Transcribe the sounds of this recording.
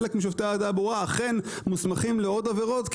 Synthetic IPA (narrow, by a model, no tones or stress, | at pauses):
lekmiʃ̬ovt̪eaːd̪aboʁaːχe̞nmusmaχimleod̪aveʁo̞t̪k